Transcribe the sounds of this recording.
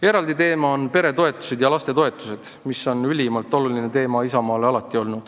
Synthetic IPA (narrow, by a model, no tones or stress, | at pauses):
e̞ɾɑld̪it̪e̞ːmɑonpe̞ɾe̞t̪o̞e̞t̪ːˑu̥se̞d̪jɑlɑst̪e̞t̪o̞e̞t̪ːˑu̥se̞d̪̥ | miso̞nylʲimɑlt̪ˑo̞luline̞t̪e̞ːmɑisɑmɑːleɑlɑt̪ːˑio̞lnud̪̥